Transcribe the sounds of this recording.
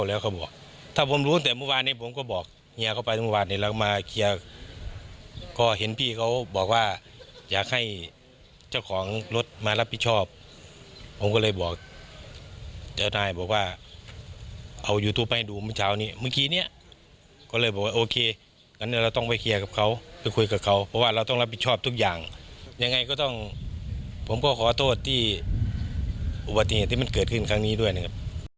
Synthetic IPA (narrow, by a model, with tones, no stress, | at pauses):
wlɛː˧˩wkʰa˧wbɔː˨˩k̚ | t̪ʰaː˧˩pʰo˧˦mluː˧˥˨nt̪ɛː˨˦muː˧˨waː˧˨n̚ːiː˧˥˨pʰo˨˦mkɔː˧˩bɔː˨˩k̚ | ɲa˧˨kʰa˧wpa˧jmuː˧˨waː˧ni˧˨la˧kɔ˧maː˧kʰi˧˨ə | kɔː˧˩ɦe˨˦npʰiː˧˩kʰa˧˩wbɔː˨˩k̚waː˧˩jaː˨˩k̚ha˧˩j | t͡ɕa˧˩wkʰɔː˨˦ŋlo˧˦t̪̚maː˧la˧˥p̚ʰi˧t̪̚t͡ɕʰɔː˧˥˩p̚ʰː | o˨˧˦mkɔː˧lɤː˧˩jbɔː˨˩k̚ | t͡ɕa˧˩wnaː˧˩jbɔː˨˩k̚waː˧˩ | ʔa˧˩wjuː˧t̪ʰuː˧˩pːa˧˨˧duː˧˩mː˧˥˨t͡ɕʰaː˨˩˨wniː˧˩˨mɯː˧˨kiː˧ni˧˩ɐ | kɔː˧˨lɤː˧˩jbɔː˨k̚waː˧ʔoː˧kʰeː˧ | ka˧˨nː˧˨la˧wt̪ɔ˥˩ŋpa˧˩jkʰi˧ɐ˧ka˧˩p̚kʰa˧˩wpa˧˨jkʰu˧jka˨˩p̚kʰa˧˩wpʰɔ˧waː˧ɾa˧wt̪ɔ˥˩ŋla˧p̚ʰi˧t̪̚t͡ɕʰɔː˥˩p̚t̪u˧˥k̚jaː˨˩ŋɲa˧ŋːa˧jkɔː˧˩t̪ɔ˧˥˩ŋ | pʰo˨˦mkɔː˧˩kʰɔː˨˦t̪ʰoː˧˩t̪ʰːiː˧˩ | ʔu˧ba˨t̪ːi˧heː˨t̪ʰːiː˧˨m˧˥˨nkɤː˨˩t̪̚kʰɯ˧˥˩nkʰa˧˨ŋniː˧˥˨du˧˩əjna˧˩kʰa˧˩p̚